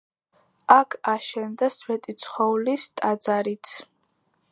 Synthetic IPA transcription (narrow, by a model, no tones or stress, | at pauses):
akʰaʃɛnd̪aswɛt̪ʼit̪sʰχɔulist̪ʼad̪zaɾit̪sʰ